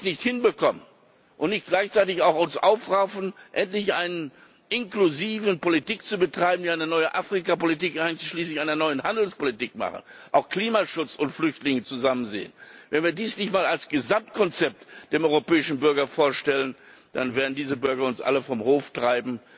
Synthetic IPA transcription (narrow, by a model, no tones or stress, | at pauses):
snɪçthɪnbəkʰɔmən | ʔʊntnɪçt̚ɡ̥laɪçt͡saɪtɪçaʊxʊnsʔaʊfʁaʊfn̩ʔɛntlɪçʔaɪnən | ʔɪnkluziːvənpolitik̚t͡subətʁ̥aɪbm̩n̩iaɪnənɔʏəʔaːfʁ̥ikapolitiːkʔaɪnt͡sʃliːslɪçʔaɪnɐnɔʏənhandl̩spolitiːkma̰χə̰n̩ʔaʊxkl̥iːmaʃʊt͡sʊntflʏçtlɪŋət͡suzamənzḛːənvɛnviːɐdiːsnɪçtmaːlalsɡ̥əzamt̚kʰɔnt͡sɛp̚td̥eːmʔɔʏʁopɛːɪʃn̩bʏɐɡɐfoːɐʃtɛlən | d̥a̰nveːɐdn̩diːzəbʏɐɡɐʊnsʔa̰ləfɔmhoːftʁ̥aɪbm̩